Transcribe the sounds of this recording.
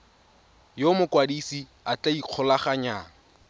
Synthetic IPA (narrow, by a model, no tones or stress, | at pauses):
jomʊkwadisi | at͡ɬʼaiq͡χʰɔlaχaɲaːŋ̩